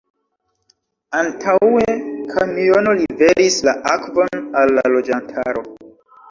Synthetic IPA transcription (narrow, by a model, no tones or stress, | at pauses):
antʰawe̞kʰamio̞no̞live̞ɾislaʔakvo̞nalːa̰lo̞d͡ʒantʰaɾo̞